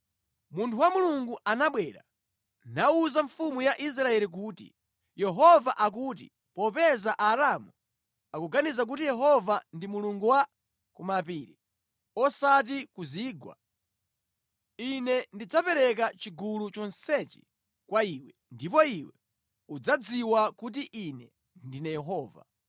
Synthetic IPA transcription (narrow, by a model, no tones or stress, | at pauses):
muntʰuwamuluŋɡuʔanaɓwɛɾa̰ | nauzaɱfumujaʔis̬ɾaɛlik̬uːtḭ | jɛɦɔvaʔak̬uːtḭ | pɔpɛzaʔaɾamu | akuɡanizak̬utijɛɦɔvandimuluŋɡuwa | kumapiːɾi | ɔsat̬ikuziːɡwa̰ | inɛndid͡zapɛɾɛkat͡ʃiɡulut͡ʃɔnsɛt͡ʃɛ̥ | kwaiwɛndipɔiwɛ | ud͡zad͡ziwakut̬iʔinɛ | ndinɛjɛɦɔːva̰